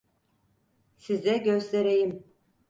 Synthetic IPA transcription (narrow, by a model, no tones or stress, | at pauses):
sizɛɟøst̪ʰeɾejim